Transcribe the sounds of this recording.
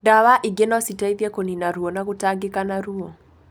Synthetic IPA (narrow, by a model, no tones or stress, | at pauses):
daβaʔiɡɛnɔsitaiðjɛkoninaɾuɔnakutaɡɪkanaɾuɔ